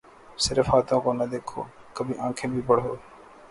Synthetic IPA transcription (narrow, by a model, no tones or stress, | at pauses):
sɪɾəfɦaːt̪õːkoːnəd̪eːkʰo̰ː | kəbʱiːʔãːkʰẽːbʱiːpəɽ̤ɦoː